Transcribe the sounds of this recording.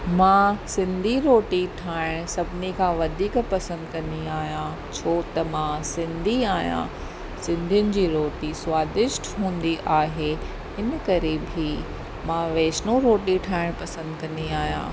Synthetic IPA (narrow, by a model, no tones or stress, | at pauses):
mãsɪ̃nd̪ʱiɾoːʈiʈʰaːɪɽ̃sɐbʱɪnikʰãːʋɐd̪ʱiːkpɐsə̃nd̪kɐ̃niaːɦjã | t͡ɕʰoːt̪ɐmãsɪ̃nd̪ʱiaːɦijã̰ | sɪ̃nd̪ʱijʊnɪ̆d͡ʑiːɾoːʈiswaːd̪ɪʃʈɦũːn̆d̪iʔaːɦe | ɪnəkɐɾebʱi | mãʋeːʃnoɾoːʈiʈʰaːɪ̃ɽ̃pɐsə̃nd̪kɐ̃nd̪iaːɦijã̰ː